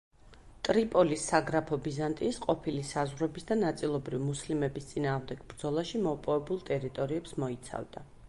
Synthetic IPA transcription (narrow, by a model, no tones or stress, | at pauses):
t̪ʼɾipʼɔlisːaɡɾapʰɔbizant̪ʼiːsqʼɔpʰilisazʁwɾɛbisd̪anat̪sʼilˠɔbɾivimuslimɛbist̪sʼinaːʁmd̪ɛɡ̥bɾd̪zɔlˠaʃimɔpʼɔvɛbulˠt̪ʼɛɾit̪ʼɔɾiɛpsmɔit̪sʰa̰vd̪a